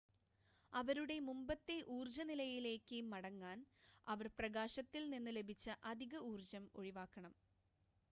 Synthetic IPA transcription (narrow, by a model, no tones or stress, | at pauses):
ɐʋɐɾuɽe̞mumbɐt̪ːe̞ʔuːrd͡ʑɐnilɐjile̞ːkːɨmɐɽɐŋːaːnɐʋɐrprɐɣaːɕɐt̪ːilninːɨle̞bʱit͡ɕːɐʔɐd̪ʱiɣɐuːrd͡ʑɐmo̞ɻiʋaːkːɐɳɐm